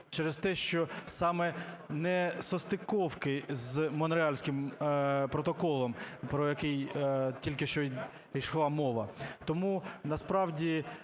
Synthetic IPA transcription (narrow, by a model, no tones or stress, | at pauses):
t͡ʃɛɾest̪ɛʃt͡ʃɔsɑmɛnɛsɔst̪ɪkɔwkɪzmɔnɾɪɑlʲsʲkʲɪmpɾɔt̪ɔkɔlˠɔmpɾɔjɐkɛjtʲilʲkɪʃt͡ʃɔ | iʃlˠɑmɔʋɐt̪ɔmunɐspɾɑwdʲi